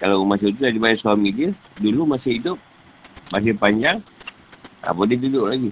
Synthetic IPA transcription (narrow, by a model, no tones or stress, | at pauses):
kalamasɪt̪̬udadibajaʔsuamid͡ʒɛdulumasɪɦidʊp̚ | mas̬ɪhpaɲd͡ʒaŋ | a̰padid̪udʊʔlaɡi